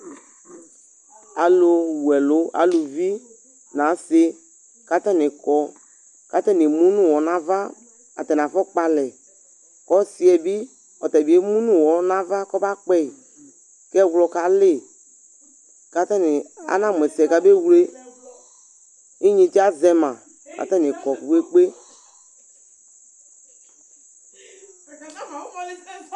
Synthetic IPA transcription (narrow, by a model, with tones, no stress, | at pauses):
a˨lo˨wu˨ɛ˨lʊ˦a̰˨lo˨vi˦ | nã˨˦se˦ | ka˦t̪ɛ˦nɪ̃˨kɔ˦ | ka˦t̪ɛ˦nɪ˨mũ˦nũ˦wɔ˨nã˦va˦ | a̰˨t̪ɛ˨n˨ã˨fɔ˦k͡pa˨lɛ˨ | kɔ˦si˨ɛ˨bi˦ | ɔ˨t̪ɛ˨bi˨˦e˦mũ˦nũ˦wɔ˨nã˦va˦kɔ˦ba˦k͡pɛ˦˨ | kɛ˦˨wlɔ˨ka˨le˦˨ | ka˨t̪ɛ˦nĩ˨a̰˨˦nã˦˨m˨ɛ˨si˨ɛ˨ka˦be˦wu˦le˦ | ĩ˦ɲĩ˨t͡ʃi˦a˦zɛ˦mã˨ | ka̰˨t̪ɛ˦ne˨kɔ˨ku˨we˦k͡pe˦